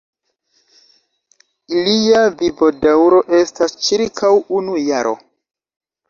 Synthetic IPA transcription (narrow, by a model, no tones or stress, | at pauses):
iliavibodawɾo̞ʔe̞stast͡ʃiɾkʰawunujaɾʔo̞̰